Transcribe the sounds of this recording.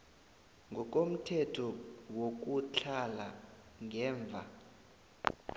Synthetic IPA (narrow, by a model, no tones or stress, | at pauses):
ŋɡʱɔk̬ʼom̩tʰɛtʰɔwok̬ut͡ɬʰala | ŋɛːɱb̪vʱa̰